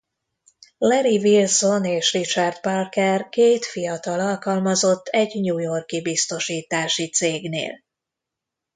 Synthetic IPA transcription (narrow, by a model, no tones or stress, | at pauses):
lɛɾivilso̞neːʃrit͡ʃard̪palkɛrkeːt̪fijɒt̪ɒlɒlkɒlmɒzo̞t̪ʰːɛɟɲuːjo̞rkibist̪o̞ʃiːt̪aːʃit̪seːɡnḛːl